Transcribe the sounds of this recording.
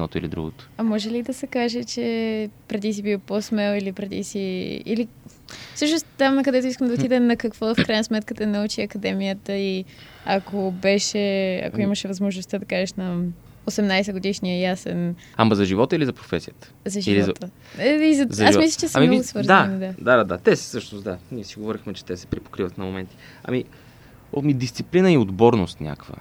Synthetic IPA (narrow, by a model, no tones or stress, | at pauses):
ɛnɔ̰t̪ʊilid̪ɾṵɡo̰t̪o̥ɐmɔʒɛlid̪ɐsɛkaʒɛt͡ʃɛpɾɛd̪is̬ibivposmɛlˠilipɾɛd̪ḭsiḭli | fsɤʃnost̪amnɐkɐd̪ɛt̪ʊiskəmd̪ɐot̪id̪ɛnɐkɐkvɔfkɾajnəsmɛt̪̚kət̪ɛnɐut͡ʃiɐkɐd̪ɛmijət̪əi | ɐkobɛʃɛɐ̰koiməʃɛvɐzmoʒnost̪əd̪ɐkaʒɛʃnɐ | osɛmnajsɛɡod̪iʃniəjasɛ̰n | amɐzɐʒivɔt̪əilizɐpɾofɛsijət̪ə̥zɐʒiilizɔɐt̪ə | ɛizɐzɐʒasmislʲət͡ʃɛsmiɡʊsvɤɾzɐnid̪ad̪ad̪ad̪at̪ɛssɤʃnʊsd̪anʲiɛsiɡovɔɾixmɛt͡ʃɛ̥t̪ɛsɛ̥pɾipo̥kɾivət̪nɐmomɛnt̪i̥ | ɐ̰mi | mid̪ist̪siplinəiod̪bɔɾnost̪nʲa̰kvə̰